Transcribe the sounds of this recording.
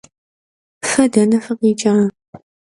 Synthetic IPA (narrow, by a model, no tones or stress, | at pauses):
fɐdɐnɐfɨqit͡ʃʼa